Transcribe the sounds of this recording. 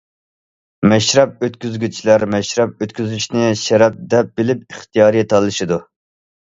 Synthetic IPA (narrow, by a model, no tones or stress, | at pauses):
mɛʃɾɛp̚øt̪kʲyzɡʲyt͡ʃʰilæɾmɛʃɾɛp̚øt̪kʲyzyʃnɪʃɛɾɛp̚d̪ɛp̚bɪlɪp̚iχt̪ijɑːɾɨjet̪ʰɑlˠːɨʃɨd̪u